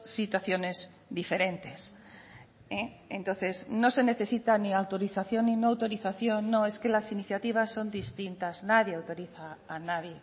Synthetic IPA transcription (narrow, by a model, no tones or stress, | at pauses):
sit̪waθjo̞ne̞z | ðife̞ɾe̞nt̪e̞s | e | ẽnt̪o̞nθe̞znose̞ne̞θe̞sit̪aniawt̪o̞ɾiθaθjo̞nːinoawt̪o̞ɾiθaθjonːõe̞skelasiniθjat̪iβ̞asːo̞nd̪ist̪int̪aznaðjeawt̪o̞ɾiθaːnaðje